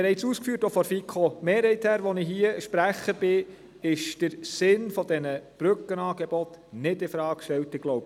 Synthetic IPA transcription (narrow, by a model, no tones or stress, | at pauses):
ɾhɛɪsuːskfyːətofɔɾfikʰomeːɾhɛɪthæːɾʋɔnɪɦiəʃpɾæχəb̥ɪ | ɪʃd̥əɾsɪnfɔd̥̪ɛnəb̥ɾʏkːənɑːɡebɔt̪nɪdɪfɾɑːkʃtɛltɪɡ̥lowb